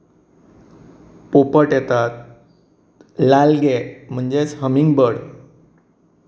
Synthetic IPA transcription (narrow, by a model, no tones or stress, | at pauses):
popəʈjɛt̪at̪̚ | lalɡɛm̤əɳd͡zet͡sɦəmiŋɡbəɽ